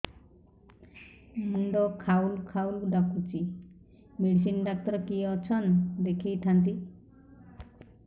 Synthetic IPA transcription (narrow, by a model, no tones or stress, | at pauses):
muɳɖɔkʰawlkʰawlkɖakʰut͡ʃi | meɖis̬inɖak̚t̪ɔɾkiɔt͡ʃʰɔnd̪ekʰijʈʰant̪̬i